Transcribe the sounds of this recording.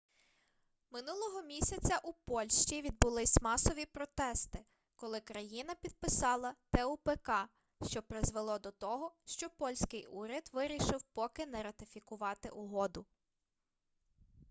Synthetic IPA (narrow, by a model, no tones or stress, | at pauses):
mɪnulˠɔɦɔmʲisʲɐt͡sʲɐʔupɔlʲʃt͡ʃiʋʲid̪̚bʊlˠɪsʲmɑsɔʋʲipɾɔt̪ɛst̪ɪ | kɔlˠɪkɾɐjinɐpʲid̪̚pɪsɑlˠɐt̪ɛupɛkɑ | ʃt͡ʃɔpɾɪzʋelˠɔd̪ɔt̪ɔɦɔʃt͡ʃɔpɔlʲsʲkɪjuɾʲɐd̪ʋɪɾʲiʃɪwpɔkɪnɛɾɐt̪ɪfʲikʊʋɑt̪ɪ̰ʔʊɦɔd̪ʊ